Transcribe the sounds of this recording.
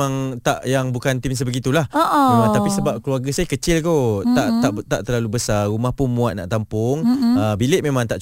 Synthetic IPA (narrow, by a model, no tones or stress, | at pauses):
ãŋt̪a̰ʔjaŋbukant̪ims̬əbəɡit̪ulahoʔət̪apisəbap̚kəluarɡasajakət͡ʃɪlk̪ot̪aʔt̪aʔt̪aʔt̪əlalubəsarumahpʊnmũat̪̚na̰ʔt̪ampʊŋəbilɪʔ̚mẽmãŋt̪aʔt͡ʃ